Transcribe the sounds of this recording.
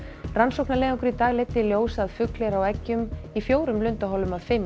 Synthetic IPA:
ransowknaleːðɔŋkʏɾit̪aːjlɛt̪ːɪljoːwsaðfʏklɛɾawɛcːʏmifjoːwɾʏmlʏnt̪aɦɔlːʏmaðfɪm

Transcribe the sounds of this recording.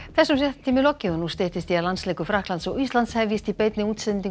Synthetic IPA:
θɛsːʏmɛht̪t̪ʰimʏlɔcːiʏnust̪ɪht̪ɪst̪ialansleːkʏfɾahklant̪sɔɣist̪lant̪shɛvjɪst̪ipeːjt̪nɪuːt̪sɪðniŋ

